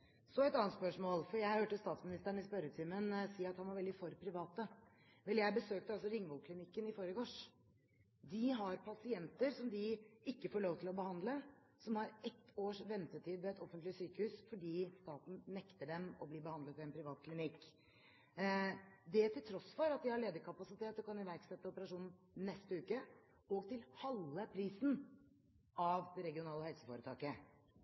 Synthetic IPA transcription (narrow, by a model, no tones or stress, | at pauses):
sɔɛt̪ɑːnt̪spœʂmoːlfɔɾjæɪhøːʈəst̪ɑːt̪smɪnɪst̪æɳɪspœɾət̪ʰɪmənsiːɑt̪hɑnʋɑɾʋɛld̪ɪfɔɾpʰɾɪʋɑːt̪ə | ʋɛljæɪbəsøːk̚t̪əɑlsɔɾɪŋːʋoːkʰlɪnɪkːənɪfoːɾəɡoːʂ | d̪ɪɦɑɾpʰɑsɪɛnt̪əɾsɔmd̪ɪɪkːəfoːɭoːʋt̪ʰɪlɔbəhɑnd̪lə | sɔmhɑɾɛt̪ːoːʂʋɛnt̪əʈʰiːd̪ʋɛɛt̪ʰɔfənt̪lɪsyːkəhʉːsfɔɖiːst̪ɑːt̪n̩nɛkt̪əɖɛmɔ̰bliːbəhɑnd̪lət̪ʋɪɛnpʰɾɪʋɑːt̪̚kʰlɪnɪkː | d̪ɛt̪ʰɪlt̪ʰɾɔsːfɔɾɑt̪̚d̪ɪhɑɭeːd̪əɾkʰɑpɑsɪt̪ʰeːt̪ɔkʰɑnɪʋæɾɡsɛt̪ːəɔpəɾɑʂuːnn̩ | nɛst̪əʉːkə | ɔɡt̪ʰɪlhɑlːəpʰɾiːsn̩ | ɑʋd̪ɛɾɛɡɪʊnɑːləhɛlsə̥foːɾət̪ʰɑːkə